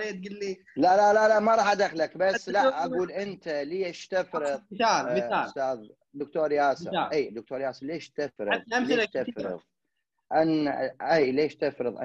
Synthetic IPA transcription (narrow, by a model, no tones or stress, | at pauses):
et̪̚ɡɪlːi | lalalalaʔmaɾˤɑːħad̪axlakbasːlaʔaɡuːlʔɪnt̪aliːɪʃt̪ɪfɾɨðˤaːaːst̪aːð | d̪ʊk̚t̪oːɾˤjaːsɨʔiːd̪ʊkt̪oːɾjaːsɨleːʃt̪ɪfɾɨðˤamlːt̪ɪfɾɾɨ̰ðˤ | ʔanʔiːleːʃt̪ɪfɾɨðˤʔa̰